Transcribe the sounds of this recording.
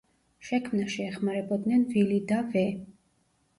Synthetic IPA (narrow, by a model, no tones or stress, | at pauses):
ʃɛkʰmnaʃiɛχmaɾɛbɔd̪nɛnvilid̪avɛ